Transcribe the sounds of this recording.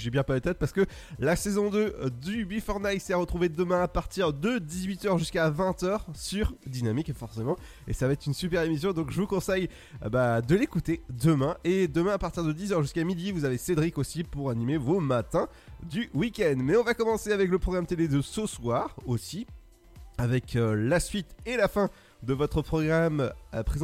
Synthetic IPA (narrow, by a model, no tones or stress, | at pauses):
ʒebjɛ̃palət̪ɛt̪̚paʁsə̥kə | lasezɔ̃d̪ød̪ybifɔʁnajsɛʁət̪χuved̪əmɛ̃apaʁt̪iʁd̪əd̪izɥit̪œʁʒyskavɛ̃t̪œʁsyʁd̪inamikfɔʁsemɑ̃ | esavaɛt̪χynsypɛʁemis̬jɔ̃d̪ɔ̃kʒəvukɔ̃sɛj | bad̪əlekut̪ed̪əmɛ̃ʔed̪əmɛ̃apaʁt̪iʁd̪əd̪izœʁʒyskamid̪ivuzavesed̪ʁikosipuʁanimevomat̪ɛ̃ | d̪ywikʲɛnd̪mɛɔ̃vakɔmɑ̃seavɛkləpχɔɡʁamt̪eled̪əsəswaːʁosi | avɛklasɥit̪elafɛ̃ | d̪əvɔt̪χəpχɔɡʁampχez̃